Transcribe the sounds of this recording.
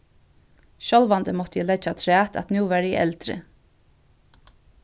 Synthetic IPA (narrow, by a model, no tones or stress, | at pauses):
ʃɔlʋɑnd̪əmɔt̪əjiːlɛd͡ʒɑt̪ʰɾæːt̪ʰɑ̰t̪njuːʋæɹɪ̰ʔɛ̰ld̪̥ɾə̰